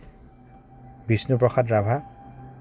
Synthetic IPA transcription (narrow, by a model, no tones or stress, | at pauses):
bisnupɹɔxadɹabʱa